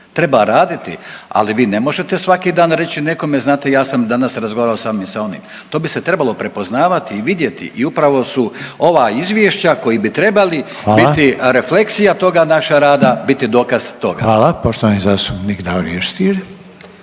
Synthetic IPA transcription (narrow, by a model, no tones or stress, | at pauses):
t̪ɾe̞baɾaːd̪it̪ḭa̰liʋiːne̞mo̞ʒe̞t̪e̞sʋakid̪aːnɾe̞t͡ɕine̞ko̞meznaːt̪ejaːsamd̪anasɾazɡoaɾaosamimsao̞nḭm | t̪o̞ːbise̞t̪ɾe̞balˠo̞pɾe̞po̞znaːʋat̪iːʋid̪je̞t̪ḭʔiupɾaʋo̞suo̞ʋaːizʋjeʃt͡ɕako̞jibit̪ɾe̞bali | bit̪iɾe̞fle̞ksijat̪o̞ɡanaʃaɾaːd̪abit̪id̪o̞ːkaz̥t̪o̞ɡa̰ʋaːlapoʃt̪oʋanizast̪upnikd̪aoɾḭeʃt̪iːɾ